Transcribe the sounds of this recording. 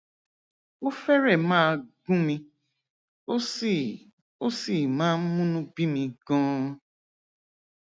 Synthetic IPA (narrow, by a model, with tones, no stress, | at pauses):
o˦fɛ˦ɾɛ˦˨mãː˦ɡũ˦mĩ˧˦˨ | o˦si˨mãː˦n̩˦mũ˦nũ˦bi˦mĩ˨ɡ̥ɔ̃ː˦